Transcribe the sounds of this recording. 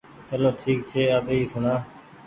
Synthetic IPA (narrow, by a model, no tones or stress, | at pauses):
t͡ʃəloːʈʰiːk̚t͡ʃʰeːəbeːiːsʊnaː